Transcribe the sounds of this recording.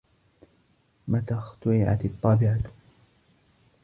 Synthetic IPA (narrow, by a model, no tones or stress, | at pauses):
mat̪aːxt̪ʊɾɪʕa̰t̪t̪ˤːɑːbɪʕat̪